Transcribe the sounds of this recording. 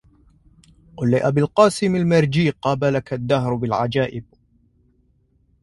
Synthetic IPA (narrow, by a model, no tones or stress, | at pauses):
qʊlːiʔabilqɑːsɪmalmɪɾˤd͡ʒiːqɑːbalakad̪ːaɦɾbɪlʕad͡ʒaːʔɪb̚